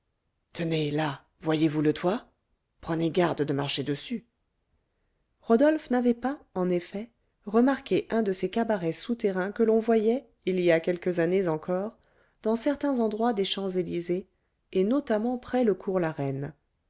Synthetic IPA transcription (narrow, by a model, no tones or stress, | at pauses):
t̪ʰənela | vwajevulət̪ʰwa | pχəneɡaʁd̪d̪əmaʁʃed̪əsy | ʁɔd̪ɔlfnavɛpaɑ̃nefɛ | ʁəmaʁkʲeʔɛ̃d̪əsekabaʁɛsut̪eʁɛ̃kəlɔ̃vwajɛ | ilijakʲɛlkəzanezɑ̃kɔːʁ | d̪̥ɑ̃sɛʁt̪ɛ̃zɑ̃d̪ʁwad̪eʃɑ̃zelizeː | nɔt̪amɑ̃pχɛləkʰuʁlaʁɛn